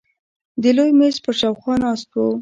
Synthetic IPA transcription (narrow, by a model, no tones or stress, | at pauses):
d̪əlojmes̚pəɾʃɑwxwɑnɑst̪wo